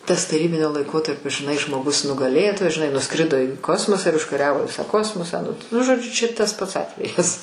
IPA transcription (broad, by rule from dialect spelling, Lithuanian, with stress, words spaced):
tɐs tɐˈrʲiːbʲɪnʲoː lˠɐɪˈkoːtɐrʲpʲoː ʒʲɪˈnɐɪ ʒmoːˈɡʊs nʊɡɐˈlʲeːtoːjɛs ʒʲɪˈnɐɪ nʊˈskrʲɪdoː iː ˈkoːsmoːsɑː ɪr ʊʃkɐˈrʲæːʋoː ˈʋʲɪsɑː ˈkoːsmoːsɑː nʊ ˈnʊ ʒoːˈd͡ʒʲʊ ˈt͡ʃʲɛ tɐs ˈpɐts ˈɑːtʲʋʲɛjɛs